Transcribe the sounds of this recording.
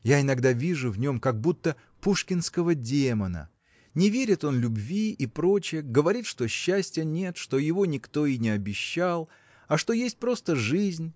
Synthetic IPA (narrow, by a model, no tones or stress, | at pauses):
jaɪnɐɡd̪avʲiʐʊvnʲo̞mkɐɡ̚but̪ːə | puʂkʲɪnskəvədʲemənə̰ | nʲɪvʲeɾʲɪt̪o̞nlʲʊbvʲiipɾo̞t͡ɕɪjəɡəvɐɾʲit̪ʂt̪o̞ɕːæsʲtʲjənʲe̞t̪ʂt̪o̞jɪvo̞nʲɪkt̪o̞inʲɪɐbʲɪɕːalˠ | ɐʂt̪o̞jesʲt̚ʲpɾo̞st̪əʐɨzʲnʲ